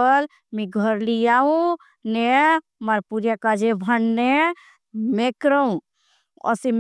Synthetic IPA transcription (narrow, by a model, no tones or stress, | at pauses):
əl | mĩɡʱəɾlijaũ | ne | maɾpuɾjakad͡ʒebʱəɳne | mekɾəũ | ɔ̰sim